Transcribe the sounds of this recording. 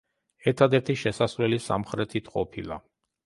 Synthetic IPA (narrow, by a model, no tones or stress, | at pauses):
ɛɾt̪ʰad̪ɛɾt̪ʰiʃɛsasvlɛlisa̰mχɾɛt̪ʰit̪ʰqʼɔpʰilˠa̰